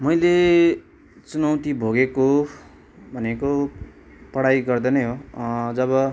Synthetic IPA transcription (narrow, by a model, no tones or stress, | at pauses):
mʌjle | t͡sunawt̪ibʱoɡeko | bʱʌneko | pʌɽajɡʌrd̪ʌnʌjɦod͡zʌβʌ